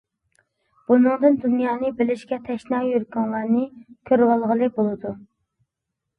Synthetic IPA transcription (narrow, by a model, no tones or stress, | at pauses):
b̥unɨŋd̪ɨnd̪unjɑːnɨbɪlɪʃkʲɛt̪ʰɛʃnɑjøɾkɑŋlˠɑɾnɨkʲʰøɾwɑlˠʁəlˠɨbolˠɨd̪u